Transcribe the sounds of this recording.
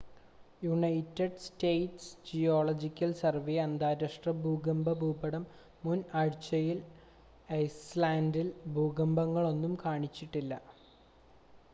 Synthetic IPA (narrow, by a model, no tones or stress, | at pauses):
juɳɐjtːeɖstejʈsd͡ʑijoːɭɐd͡ʑikʲːɐlsɐrʋeːɐnd̪aːɾɐʂʈrɐbʱuːɡɐmbɐbʱuːbɐɽɐmː | unɐɻit͡ɕːɐjil | ɐjslaːndilbʱuːɡɐmbɐŋːɐɭo̞nːumkaːɳit͡ɕːiʈːilːɐ